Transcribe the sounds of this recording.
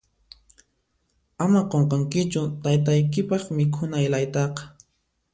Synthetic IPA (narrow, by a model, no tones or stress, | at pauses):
amaqoɴqɑŋkɪt͡ʃʊt̪ajt̪̬ajkɪpɑχmɪkʰʊnajlajt̪ɑqɑ̥